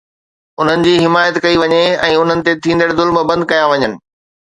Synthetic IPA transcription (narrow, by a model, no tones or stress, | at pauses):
ʊn̤ənɪ̆d͡ʑiːɦɪmaːjət̪kɐiʋɐɲeɛ̃ːʊn̤ənɪ̆t̪et̪ʰĩːn̆d̪əɽzʊlməbɐ̃nd̪̚kɐjãʋɐɲənɪ̆